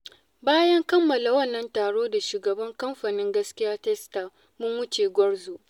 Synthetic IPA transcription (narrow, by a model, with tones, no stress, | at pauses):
baː˦jɐ˦ŋkɐ˦mːɐ˨la˨wɐ˦nːɐ˦ntaː˨ɽoː˦da˨ʃuː˨ɡɐ˨bɐ˦ŋkɐ˦mɸaː˨nɪ˦ŋɡɐ˦skʲɪ˦jaː˦tɛ˦sta˨ | mʊ˦ŋwʊ˦t͡ʃeː˨ɡʷɔ˦ɽzoː˨ʔ